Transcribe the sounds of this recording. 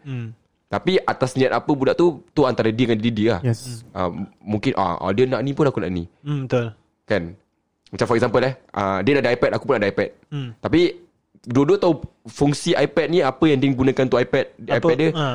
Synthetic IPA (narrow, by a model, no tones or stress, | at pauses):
t̪apiʔat̪asnĩat̪̚apəbudaʔt̪ut̪uant̪aɾədikandididilahʔə̰mũŋkɪnʔa̰ɔ̰diənãʔnĩpʊnakuna̰ʔnḭ̃bət̪ʊl | kan | mat͡ʃamfɔɾɛkszampəlɛhʔə̰dənaʔdəajpɛt̪̚akupunaʔdəajpɛt̪̚t̪api | dodot̪aufuŋsiaipɛt̪̚niapəjãŋdiəŋɡunãkant̪uajpɛt̪̚ajɛt̪̚də